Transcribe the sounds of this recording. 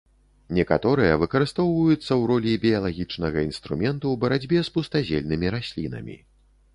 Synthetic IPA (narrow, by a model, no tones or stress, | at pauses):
nʲɛkat̪ɔɾɨjɐvɨkɐɾɨst̪ɔwvɐjut̪sːɐwɾɔlʲibʲijɐlˠaɣʲit͡ʂnɐɣɐinst̪ɾumʲɛnt̪uwbɐɾad͡zʲbʲɛspust̪azʲelʲnɨmʲiɾasʲlʲinɐ̰mʲḭ